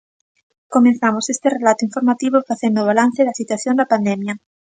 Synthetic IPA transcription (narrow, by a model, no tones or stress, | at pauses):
komẽn̟θamosest̪erelat̪oiɱfoɾmat̪iβ̞ofaθjend̪oβalan̟θeðasit̪waθjond̪apand̪emja